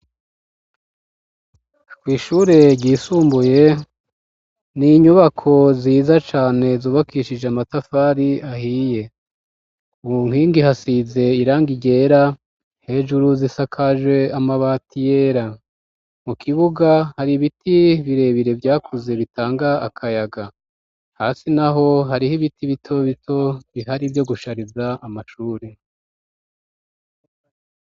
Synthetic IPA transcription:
kwiːʃuːɾe̞ɾɟiːsuːmbuje̞ | niɲuβakʰo̞ziːzat͡ʃaːne̞zuːβakiʃid͡ʒeamatafaːɾiahije̞ | umuŋhiːŋɡihasize̞iɾaːŋɡiɟe̞ːɾa | he̞ːʒuɾuzisakʰaʒwe̞amaβatʰijeːɾa | mukʰiβuɡahaɾiβitiβiɾe̞βiɾe̞vjaːkʰuze̞βitʰaːŋɡaakʰajaɡa | hasinaɦo̞ɦaɾihiβitiβitʰo̞βitʰo̞βiɦaɾivjo̞ɡuʃaɾizaamaʃuːɾe

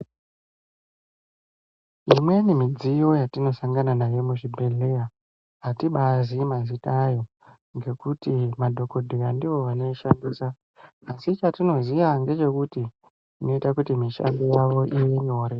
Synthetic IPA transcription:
imwe̞nimid͡zijo̞jatino̞saŋɡananajo̞muʐibʱe̞ɮe̞ja | atiɓazimazitajo̞ | ŋɡe̞kutimadʱo̞ko̞dʱirandiʋo̞ʋane̞ʃandiːsa | asit͡ʃatino̞ziʋaŋɡe̞t͡ʃe̞kuti | ino̞itakutimiʃa̰ndojaʋo̞ʔijeɲo̞ɾe

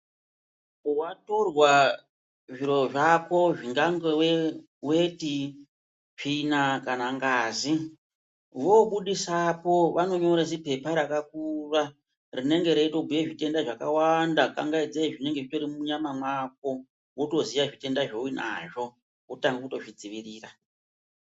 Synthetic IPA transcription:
wato̞rwa | ʐiɾoʐako̞ʐiŋɡaŋɡewe | weti | ʐ̥inakanaŋɡaːzi | ʋo̞ɓuɗisapo̞ʋano̞ɲo̞ɾasipe̞paɾakakura | rine̞ŋɡe̞ɾeito̞bʱujeʐite̞ndaʐaka̰wandakaŋɡaid͡zaiʐine̞ŋɡeʐito̞ɾimuɲamamwak̚o̞ | woto̞zijaʐite̞ndaʐouina̰ʐo̞ | wotaŋɡauto̞ʐid͡ziʋiriːra

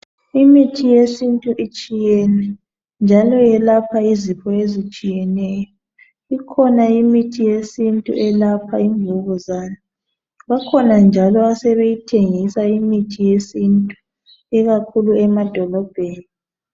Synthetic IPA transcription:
imitʰijesintʼuʔit͡ʃʼijɛnɛ | nd͡ʒʱalɔjɛlapʰaizipʰɔezit͡ʃʼijɛnɛːjɔ | ikʰɔnaimitʰijesintʼṵʔɛlapʰaiɱvʱɔɣɔzaːna | βakʰɔnand͡ʒʱalɔasɛβejitʰeŋisaimitʰijesintʼu | ɛɣakʰuluɛmad̥ʱɔlɔb̥ʱeːni

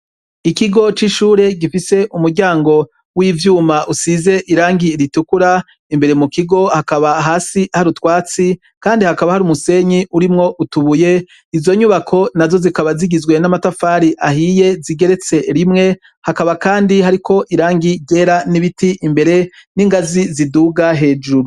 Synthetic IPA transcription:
ikiɡo̞t͡ʃiʃuːɾe̞ɡifise̞ʔumuɾɟaːŋɡo̞ | wiːvjuːmaʔusize̞ʔiɾaːŋɡiɾitukuɾa | imbe̞ɾe̞mukiɡo̞hakaβaɦaːsihaɾutwaːt͡si | kaːndihakaβahaɾumuse̞ɲiuɾimŋo̞ʔutuβuje̞ | izo̞ɲuβakʰo̞nazo̞zikaβaziɡizɡwe̞namatafaːɾiʔahiːje̞ziɡe̞ɾe̞t͡se̞ɾimŋe̞ | hakaβakaːndiɦaɾikʰo̞ʔiɾaːŋɡiɟe̞ːɾaniβitiʔimbe̞ɾe̞niŋɡaziziduɡaɦe̞ːd͡ʒuɾu

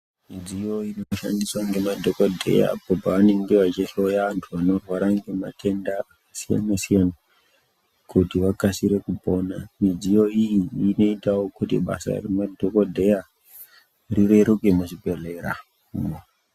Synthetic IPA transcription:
mid͡zijo̞inoʃa̰ndiswaŋɡe̞madʱokodʱe̞̰ja̰pobʱaʋane̞ŋɡe̞ʋat͡ʃeɬojaʋantʰuʋano̞rwaɾaŋɡe̞ma̰tʰe̞nda | sia̰nasijana | kutiʋakasiɾe̞kubʱo̞namid͡zijo̞ijiːno̞itawokutḭɓa̰sa̰remadʱokodʱe̞ja | rireɾukemuʃibʱe̞le̞ɾa̰ | umo

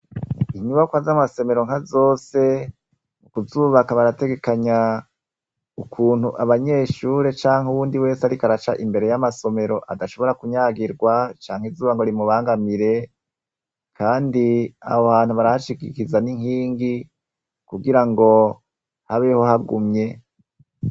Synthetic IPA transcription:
iɲuβakwaːzamase̞me̞ɾoŋ̥azo̞ːse̞ | mukuzuːβakaβaɾate̞ɡe̞kaɲa | ukʰuːn̥huʔaβaɲe̞ʃuːɾet͡ʃaːŋhuwuːndiwe̞ːseaɾikaɾat͡ʃaʔimbe̞ɾe̞jamaso̞me̞ɾo̞ʔadaʃo̞βo̞ɾakuɲaːɡiɾɡwat͡ʃaːŋhizuːβaŋɡo̞ɾimuβaːŋɡamiɾe̞ | kʰaːndia̰hoβaːn̥uβaɾahaʃikikizaniŋhiːŋɡi | kuɡiɾaŋɡo̞ | haβe̞ho̞haɡumɲe̞

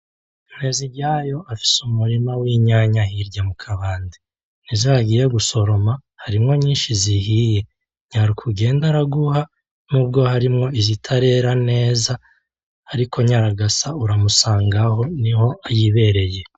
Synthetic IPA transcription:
neziɾɟaːjo̞afi̥sumuɾimawiːɲaːɲahiɾɟamukʰaβaːndi | nizihaɡiːɾe̞ɡuso̞ɾo̞ma | haɾimŋo̞ɲiːnʃizihije̞ | ɲaɾukʰuɡe̞ːndaɾaɡuha | mubɡo̞haɾimŋo̞izitʰaɾe̞ɾane̞ːza | aɾikʰo̞ɲaɾaɡasauɾamusaːŋɡaɦo̞niho̞ajiβe̞ɾe̞je̞

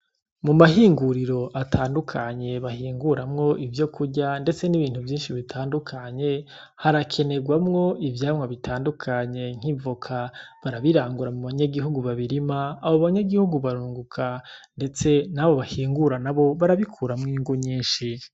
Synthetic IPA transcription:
mumaɦiːŋɡuɾiɾo̞ʔatʰaːndukʰaɲe̞βahiːŋɡuɾamŋo̞ʔivjo̞kuɟande̞t͡se̞niβiːn̥uvjiːnʃiβitʰaːndukʰaɲe̞ | haɾakʰe̞ne̞ɡwamŋo̞ivjaːmŋaβitʰaːndukʰaɲe̞ŋ̥ivukʰaβaɾaβiɾaːŋɡuɾamuβaɲaɡiɦuɡuβaβiɾimaːβoβaɲaɡihuɡuβaɾuːŋɡukʰande̞t͡se̞naβo̞βahiːŋɡuɾanaβo̞βaɾaβikʰuːɾamŋiːŋɡuɲiːnʃi

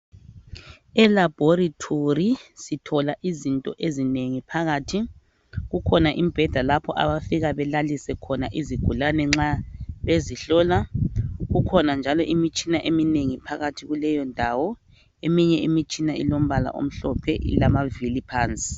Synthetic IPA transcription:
ɛlab̥ʱoritʰorisitʰɔlaʔizintʼɔʔezineŋipʰaɣaːtʰi | ɣukʰɔnaʔimib̥ʱɛd̥ʱalapʰɔʔa̰βafiɣaβɛlalisɛkʰɔnaʔiziɡ̥ʱulanɛŋ͡ǁaβeziɬɔːlaɣukʰɔnand͡ʒʱalɔʔimit͡ʃʼinaʔemineŋipʰaɣatʰiɣulɛjɔndʱawɔ | emiɲɛimit͡ʃʼinaḭlom̩βala̰ʔo̰m̩ɬɔpʰɛʔḭlamavilipʰaːnt͡sʼi̥

